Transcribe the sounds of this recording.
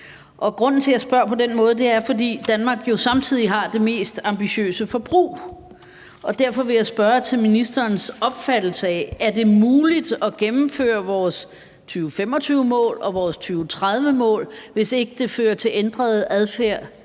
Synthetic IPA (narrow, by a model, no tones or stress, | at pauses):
ʔɒ̽ɡ̥ʁɔ̽n̰n̩t͡sʰe̝jæsb̥ɶɐpʰɒ̽d̥enmɔ̽ːðˠd̥e̝æɐfɒ̽dḭːd̥ænmɑ̈ːɡ̥jo̝sɑ̈mt͡sʰið̞̰ˠiɦɑ̈d̥e̝me̝̰ːsd̥ɑ̈mb̥iɕø̰ːsəfɒ̽b̥ʁṵː | ɒ̽d̥æɐ̰fɒ̽ʋe̝jaɪsb̥ɶɐt͡sʰe̝lminisd̥ɐːnsɒ̽b̥fæd̥l̩səɛæɐd̥e̝muːlid̥ɒ̽ɡ̥emm̩fø̰ːɐʋɒːs | t͡sʰyːʊfem̰ɒ̽t͡sʰyːʊəmɔ̰̽ːlɒ̽ʋɒːst͡sʰyːʊt͡sʰʁaðˠʋəmɔ̰̽ːlʋe̝se̝ɡ̥əd̥e̝føːɐt͡sʰe̝lend̥ʁɐð̞ˠæðˠfæɐ̰